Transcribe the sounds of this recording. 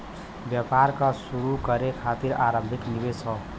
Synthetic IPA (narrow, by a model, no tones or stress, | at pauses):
bjəpaɾkasuɾukəɾekʰat̪iɾa̰ɾə̃mbʱiknibesʰɔ